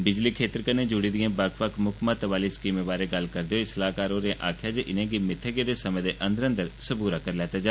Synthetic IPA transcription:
bɪd͡ʒliːkʰeːt̪əɾkənẽːd͡ʒʊɽiːd̪ɪjãːbəkʰpəkʰmʊkʰmãːt̪əʋaːliːskiːmẽːbaːɾeːɡəlkəɾd̪eːoːɪsəlaːkaːɾoːɾẽʔaːkʰjaːd͡ʒeʔɪnẽːɡimɪʈ̪ʰːəɡeːd̪eːsəmẽːd̪eːʔə̃nd̪əɾə̃nd̪əɾsəbuːɾaːkəɾlɛːt̪aːd͡ʒaː

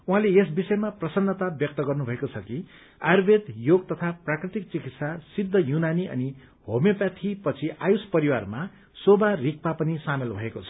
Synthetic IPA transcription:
uɦãleesbisʌemaprʌsʌnːʌt̪abjʌk̚t̪ʌɡʌrnubʱʌekot͡sʰʌki | arbʱed̪joɡt̪ʌt̪ʰaprakrit̪ik̚t͡sikit̪sasid̪ʱːʌjunaniʌ̰ni | homjepjat̪ʰipʌt͡sʰiʔajuspʌɾiwarma | sobarik̚papʌnisamelbʱʌekot͡sʰʌ̥

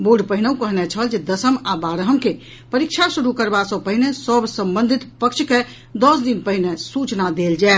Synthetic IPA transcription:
boɾɖpəɦineũkəɦnɛt͡ʃʰəld͡ʒed̪əsəmabaɾəɦəmke | pəɾikt͡ʃʰasuɾukəɾbasəpəɦinesəbsəmbə̃nd̪ʱit̪pəkt͡ʃʰke | d̪ɔsd̪inpəɦinesut͡ʃnad̪eld͡ʒae

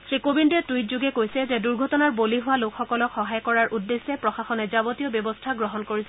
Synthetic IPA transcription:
sɹikobindɛtuit̚zuɡɛkojsɛzɛduɹɡʱɔtɔnaɹboliɦʊwalokxɔkɔlɔkxɔɦajkɔɹaɹʔudːesːɛpɹɔxaxɔnɛzabotijɔbjɔbɔstʰaɡɹɔɦɔnkoɹisɛ

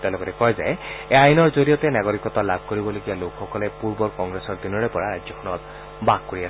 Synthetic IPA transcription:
t̪ẽlɔkɔtɛkɔjzajeajnɔɹzolijɔt̪enaɡɔɹikɔt̪alab̚ʱkoɹibɔloɡijalokʰxɔkɔlepuɹbɔɹkɔŋɡɹesɔɹd̪inɔɹepɔɹaɹajdzɔkʰɔnɔt̪ | baɡ̚koɹias

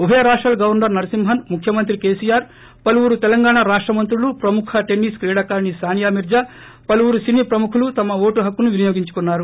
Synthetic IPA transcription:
ubʱɐjɐɾaːʂʈɾɐːlɡɐʋɐɾnɐɾnɐɾɐsimɦɐnmukʰjɐmɐnt̪ɾikeːsijaːɾ | pɐluʋuɾut̪ɛlɐŋɡaːɳaɾaːʂʈɾɐmɐnt̪ɾulupɾɐmukʰɐʈenːiːskɾiːɽakaːɾɳisaːnijaːmiɾd͡ʒa | pɐluʋuɾusiniːpɾɐmukʰulut̪ɐmɐʋo̞ːʈuɦɐkːunuʋinijoːɡiɲt͡ʃu̥kunːaːɾu

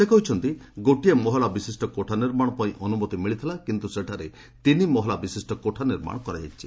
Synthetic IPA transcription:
sekɔɦut͡ʃʰɔnt̪iɡoʈiemɔɦɔlabisisʈɔkoʈʰaniɾmaɽ̃ɔpɔĩʔɔnumɔt̪imiɭit̪ʰilakint̪useʈʰaɾe | t̪inimɔɦɔlabisisʈɔkoʈʰaniɾma̰ɽɔkɔɾaɦa̰t͡ʃʰi

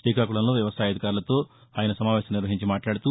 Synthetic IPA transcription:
siːkakuɭɐnlo̞ːʋjɐʋɐsaːjɐd̪ʱikaːɾulɐt̪o̞ː | aːjɐnɐsɐmaːʋʲɛːsɐmniɾʋɐɦiɲt͡ʃimaːʈlaːɽut̪u

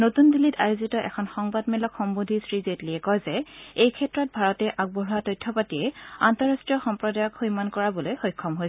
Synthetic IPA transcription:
notundilitajozitɔʔɛ̰kʰɔnxɔŋbadmɛlɔkxɔmbodʱisɹizetliɛkɔjzɛejkʰɛtɹɔt̚bʱaɹɔtɛʔaɡ̚bɔɹatojtʰːɔpatiɛantɔɹastɹijɔxɔmpɹɔdajɔkxujmankɔɹabɔlojxojkʰːɔmɦojsɛ

